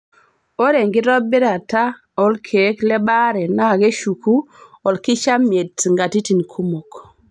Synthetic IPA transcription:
o˦ɾe˨ŋɡi˦ɾɔ˦bi˦ɾa˨ta˦ | ɔ˦lkʰe˨˦klɛ˦ba˦ɾɛ˨na˦˨ɡe˦ʃu˨ku˦ɔ˨lki˦t͡ʃa˦me˨tŋɡa˨ti˦ti˨nkʰu˦mo˨k

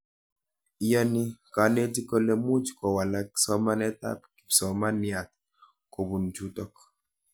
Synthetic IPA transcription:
i˦jɔ˦nɪ˦ka˨˦ne˦ti˦ko˦le˦mu˦t͡ʃkɔ˨wa˨la˨ksɔ˦ma˦nɛ˦t̪a̰˦p̚ki̥˨psɔ˨ma˦nɪ˨a˨t̪̚ | ko˨bu˨nd͡ʒu˦tɔ˦k

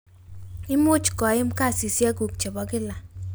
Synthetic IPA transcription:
ɪ˦mu˦t͡ʃkɔ˨ɪ˦mka˦˨si˨sja˦ku˨k̚t͡ʃe˨ba˨kɪ˦la˨

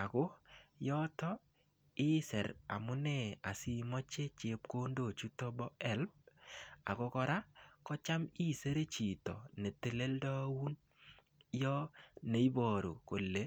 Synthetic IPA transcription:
a˨ko˦jɔ˦tɔ˦ | ɪ˦sɛ˨ɾa̰˨mʊ˦nɛ˦˨a˨si˦mɔ˦t͡ʃe˦t͡ʃe˨p̚ko˦ndo˨t͡ʃu˦tɔ˦bɔ˦ɛ˦˨lb̚a̰˨ko˦kɔ˧ɾa˦kɔ˦t͡ʃa˦mi˦se˦ɾe˦t͡ʃi˨tɔ˨ne˨te˨le˦ldɔ˦wu˦n | jɔ˦ne˦i˦bɔ˨ɾo̰˨ko˨lːe˦

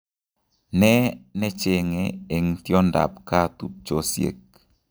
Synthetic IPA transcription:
nɛ˦nɛ˦t͡ʃe˨ŋe˨e˨ŋtjo˦nda̰˨pka˦˨tu˦t̚t͡ʃo˨sjḛ˨k̚

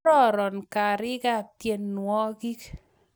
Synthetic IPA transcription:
ɾɔ˦ɾɔ˨nka˨ɾɪ˦ɡa˦˨tje˦nːwɔ˦ɡi˦k

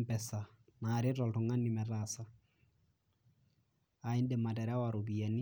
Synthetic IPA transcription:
mpɛsa | naɾɛ˦tɔltʊŋa˦nːi˨mɛrasa | a˨i˦ndɛ˨ma˨tɛ˨ɾa˦waɾobiɛ˨ni˦

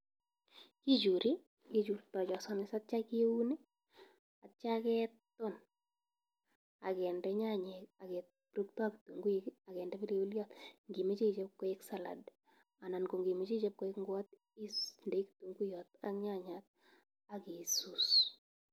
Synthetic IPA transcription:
ki˦d͡ʒu˨ɾi˦ | ki˦d͡ʒu˨ɾtɔ˨t͡ʃɔ˨sɔ˦nɪ˨sa˦t̚t͡ʃa˦ki˦u˦ne˦ | a˨t͡ʃa˦kɛ˦ttɔ˦n | a̰˨kɛ˨ndɛ˦ɲa˦ɲɛ˨ka˨kɛ˨t̚ | ɾu˦k̚tɔ˦a˦ki˨tu˨ŋɡu˦a˨kɛ˨ndɛ˦pi˦le˦u˦ljɔtŋɡi˨me˦t͡ʃi˦˨t͡ʃɛ˦p̚ko˦e˦ksa˨la̰˨d | a˨na˨nko˨ŋɡi˨me˦t͡ʃi˦t͡ʃɛ˦p̚ko˦e˦kŋɡwa˦t | i˦snde˦kitu˨ŋɡu˦jɔta˦kɲa˦ɲat̪̚ | a˨ki˨sus

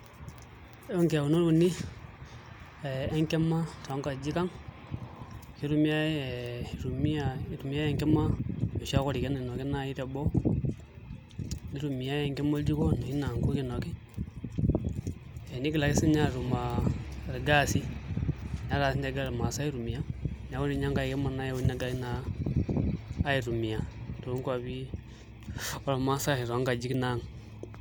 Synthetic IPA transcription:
e˦u˦ŋka˨u˨no˦u˨ni˦ | e˨e˦ŋke˦mːa˦tːŋka˨d͡ʒi˦ka˦ŋ | ki˦ɾu˦mi˦ja˦˨ɾu˨mi˦a˦ɾu˨mi˦ja˦e˦ŋke˦ma˦jo˨ʃa˦ko˦ɾi˨ke˦ni˨no˨ki˦na˦i˦ɾe˨bo˦ | ni˦ɾu˨mi˨ja˦e˨ŋke˦mo˦ld͡ʒi˦ko˦ni˨i˦na˨ŋku˦ki˨no˨ki˦ | e˨ni˦ki˦la˨ke˦si˦ɲa˦ɾu˨ma˨ɾe˨ɡa˦si˦ | ɲa˦ɾa˨si˦ɲ˦a˦ɡa˦ɾma˨sa˦i˦ɾu˨mi˨a˦ɲa˨˦ko˦ndi˦˨ɲa˦ŋɡa˨i˨ke˦ma˨na˦jo˦na˨˦ɡa˦i˦na˦ | i˨ɾu˨mi˨ja˨to˨˦ŋkwa˨βi˦ | o˦la˨ma˦sa˦hi˨ɾa˨˦ŋɡa˨d͡ʒi˦kna˦ŋ

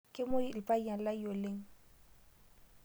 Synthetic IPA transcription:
kʼɪ˦mo˦i˨l̩˨pʼa˦i˦a˨la˦i˦jo˨le˦ŋ̩˦

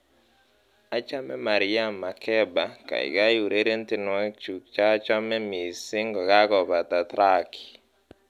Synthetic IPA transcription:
a˦t͡ʃa˦mɛ˦ma˨ɾɪ˦ja˦mːa˨kʰɛ˦ba˨ka̰˨ɪ̰˨ɡa˦ju˨ɾe˦ɾe˦ntɪ˨nʊ˨ɛ˦k̚t͡ʃu˨k̚t͡ʃa˦t͡ʃa˦mɛ˦mi˨sɪ˦ŋɡɔ˨ɡa˦kɔ˨ba˨t̪a˨t̪ɾa˦ki̥˨

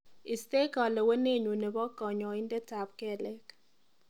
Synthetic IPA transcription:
ɪ˨st̪e˦kɔ˨lɛ˨we˦ne˦˨ɲo˨ne˨bɔ˦kɔ˨ɲɔ˨ɪ˦ndɛ˦ta˨p̚kɛ˦˨lɛ˦k

